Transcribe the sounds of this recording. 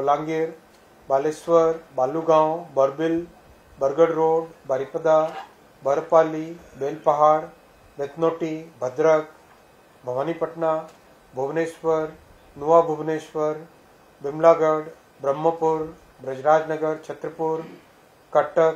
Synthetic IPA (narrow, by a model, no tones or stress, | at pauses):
olãːŋɡiɾ | baːlesʋəɾbaːluɡãwbəɾbɪl | bəɾɡəɽɾoːɖbaːɾipəd̪a | bəɾpaːlibeːlpɐɦaːɽ | ʋet̪noːʈibʱɐd̪ɾək | bʱɐʋanipəʈna | bʱuʋneːʃʋəɾ | nuʋabʱubneːʃʋəɾ | bɪmlaːɡəɽ | bɾəmːəpuɾ | bɾɐd͡ʒɾaːd͡ʒnəɡəɾt͡ʃʰɐt̪ɾəpuɾ | kɐʈək